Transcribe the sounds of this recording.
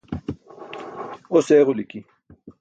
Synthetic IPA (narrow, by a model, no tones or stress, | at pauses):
oseːɣoliki